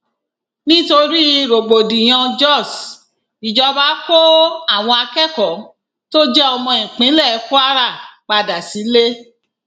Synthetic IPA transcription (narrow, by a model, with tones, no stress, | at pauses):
nĩ˦to˧ɾi˦˧ɾo˨ɡ͡bo˨dĩ˨j̃ɔ̃˧d͡ʒɔ˦˨s | i˨d͡ʒɔ˧ba˨˦ko˦a˦˨w̃ɔ̃˧a˧kɛ˦˨kɔ˨ | to˦d͡ʒɛ˦ɔ˧mɔ̃˧ĩ˨k͡pĩ˨˦lɛ˦˨˦ko˦a˦ɾa˦˨k͡pa˧da˨si˨˦le˦